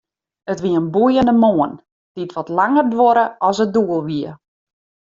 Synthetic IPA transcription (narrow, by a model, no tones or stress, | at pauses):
ətʋiəənbujəndəmoən | d̥itʋɔtlaŋərdʋoɾəɔsəduəlˠʋiə